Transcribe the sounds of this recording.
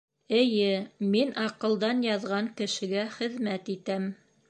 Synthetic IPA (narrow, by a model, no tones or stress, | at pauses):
ɘ̆jɘminʔɑqɤ̆lˠd̪ɑnjɑðʁɑŋkɘ̆ʃɘ̆ɡæχɘ̆ðmæt̪it̪æm